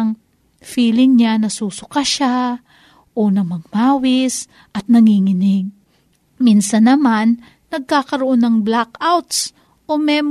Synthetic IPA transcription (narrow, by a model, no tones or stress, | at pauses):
ŋ | fiːlɪŋɲanɐsuːsʊkaʃa | ʔonɐmɐɡ̚maːwɪs | ʔɐt̪̚nɐŋiːŋɪnɪɡ̚ | minsɐnːɐmanː | ɐɡ̚kaːkɐɾoʔo̞nɐŋblakawt̪s | ʔomɛm